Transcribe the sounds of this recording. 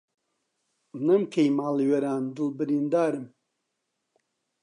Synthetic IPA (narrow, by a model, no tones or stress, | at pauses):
nɐmkʰejmaːliwɐɾaːnd̪ɨlbɨɾiːnd̪aːɾɨm